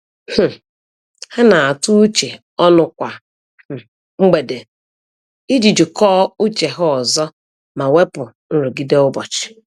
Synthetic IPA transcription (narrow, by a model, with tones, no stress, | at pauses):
h̩˨ | ha˦na˨a˨tʊ˦u˦t͡ʃe˨ | ɔ˦nʊ˨kʷa˨ | ŋ͡m̩˦ɡ͡be˨de˨ | i˦d͡ʒi˨d͡ʒʊ˨kɔː˦u˦t͡ʃe˨ɦʊ˦ɔ˨zɔ˦ | ma˨we˦pʊ˨ | n̩˦ɾʊ˨ɡi˦de˦ʊ˦bɔ˨t͡ʃɪ̥˨